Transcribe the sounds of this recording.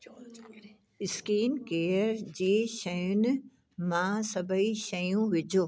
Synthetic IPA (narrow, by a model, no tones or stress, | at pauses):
ɪskiːnkeːəɾd͡ʑeːʃɐjʊn | mãːsɐbəiʃɐjũʋɪd͡ʑʱoː